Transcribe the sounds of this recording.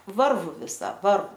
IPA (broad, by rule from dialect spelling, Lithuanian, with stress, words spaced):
ˈʋɐrʋʊ ʋʲɪˈsɐ ˈʋɐrʋʊ